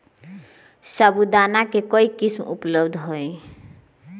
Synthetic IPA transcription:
sabud̪anakekɔikismṵpləbd̪ʱɦoe

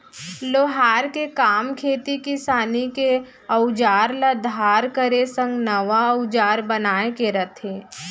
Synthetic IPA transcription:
loːɦaːɾkekaːmkʰeːt̪ikisaːnike | əʊd͡ʒaːɾlad̪ʱaːɾkəɾesə̃ŋɡnɐʋaəʊd͡ʒaːɾbənaːekeɾɐt̪ʰẽː

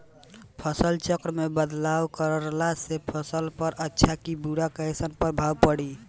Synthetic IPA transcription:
pʰəsəlt͡ʃəkɾəmebəd̪lawkəɾɾlasepʰəsəlpəɾətːʃʰakibuɽakəesənpəɾbʱawpəɽi

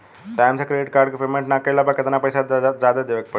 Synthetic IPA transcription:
ʈajmsakɾeɖiʈkaːɾɖkepemẽɳʈnakəjlapəɾkət̪enapəjsad͡ʒad̪ad̪eʋək̚pə

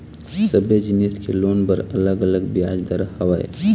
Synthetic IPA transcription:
səbjəd͡ʒɪniskeloːnpəɾɐləɡɐləɡbjaːd͡ʒd̪ɐɾahɐʋaːḛ

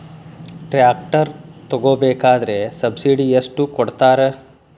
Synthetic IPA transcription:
ʈɾaːk̚ʈɐɾt̪ɔɡoːbeːkaːd̪ɐɾesɐbsiɖieʂʈukɔɽt̪aːɾe

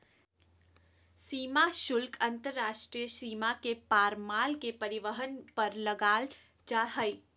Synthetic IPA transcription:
siːmaʃʊlkʰɐ̃nt̪əɾːaːʃʈɾijəsiːmakepaːɾmaːlkepɐɾɪʋəɦənpɐɾlɐɡaːl | d͡ʒaɦəi

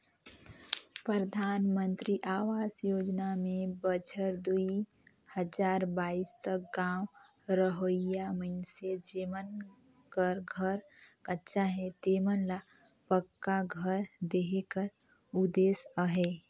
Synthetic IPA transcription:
pɾɾəd̪ʱaːnmə̃nt̪ɾiʔaːʋaːsjoːd͡ʒnamẽbət͡ʃʰəɾd̪ui | həd͡ʒaːɾbaːist̪ək̚ɡãːw | ɾəɦojaməɪnsed͡ʒeːmən | kəɾɡʱəɾ | kətːʃaɦɛt̪eːmənla | pəkːaɡʱəɾd̪eːɦekəɾ | ʊd̪eːsəɦeː

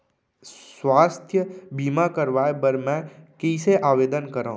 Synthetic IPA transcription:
swaːst̪ʰjəbʱiːmakəɾʋaːebəɾmɛ̃kiːseʔaːʋeːd̪ənkəɾã

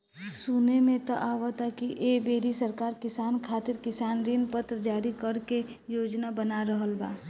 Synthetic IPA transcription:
suːnemẽt̪ɔʔaːʋat̪akiʔebeːɾisəɾkaːɾkɪsaːnkʰaːt̪ɪɾkɪsaːnɾinpət̪ɾəd͡ʒaːɾikəɽkejoːd͡ʒnabənaɾəɦəlba̰ː

